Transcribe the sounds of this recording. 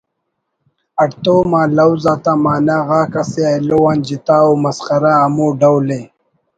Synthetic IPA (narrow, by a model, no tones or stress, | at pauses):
ɐʈt̪oːmaːlawzaːt̪amaːnaɣaːkaseajlowaːnd͡ʑit̪aːomɐsqɐɾaːmuːɖawle